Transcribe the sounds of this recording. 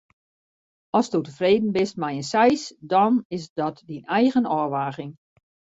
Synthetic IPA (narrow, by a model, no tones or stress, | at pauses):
ɔsdotəfreːdən̩bɪst̚mɛjənsɛjsdɔnɪsdɔtdinɛjɣənɔːʋaːɣɪŋ